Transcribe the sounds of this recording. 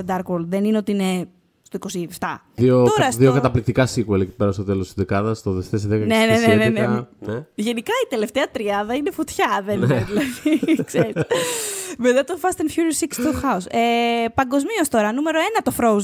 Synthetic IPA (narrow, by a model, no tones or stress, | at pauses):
d̪ɐɾkwolðenineo̞t̪iine | st̪o̞iko̞sieft̪ɐ̰ | ðiot̪oɾɐsðiokɐt̪ɐplik̚t̪ikɐsikweleci̥peɾɐst̪ot̪elost̪izðekɐðɐst̪oðeft̪esiðekɐnenenneneɐnʝe̞nikɐit̪e̞left̪eɐt̪ɾiɐðɐinefot̪çɐðenðilɐðikseɾi | met̪ɐt̪ofɐst̪enfçuɾisikst̪oxɐusepɐŋɡo̞zmiost̪o̞ɾɐnume̞ɾo̞e̞nɐt̪o̞fɾoz